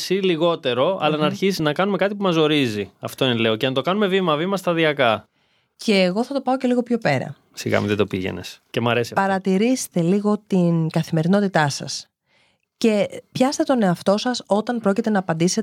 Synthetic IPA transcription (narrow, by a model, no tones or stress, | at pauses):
siliɣo̞t̪e̞ɾo̞ɐ̰lɐnɐːɾçisiznɐkɐnumekɐt̪ipumɐzo̞ɾiziɐft̪o̞inele̞o̞ceɐnt̪o̞kɐnume̞vimɐvimɐst̪ɐðiɐkɐ | ce̞ːɣo̞θɐt̪opɐo̞ce̞liɣo̞pço̞pe̞ɾɐ̰ | siɣɐ̰muðed̪o̞piʝe̞̰nḛscemɐɾesipɐɾɐt̪iɾist̪e̞liɣo̞t̪inɡɐθime̞ɾino̞t̪it̪ɐsɐ̰s | ce̞pçɐst̪e̞t̪o̞ne̞ɐft̪o̞sɐso̞t̪ɐnpɾo̞cit̪e̞nɐːpɐnd̪ise